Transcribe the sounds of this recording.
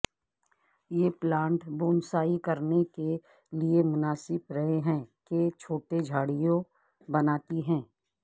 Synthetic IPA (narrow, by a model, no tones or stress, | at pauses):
jeːplãːɳʈboːnsaːikɐɾneke | liemʊnaːsɪbɾɐɦeɦɛ̃ːket͡ʃʰoːʈed͡ʒʱaːɽijõ | bɐnaːt̪iɦɛ̃ː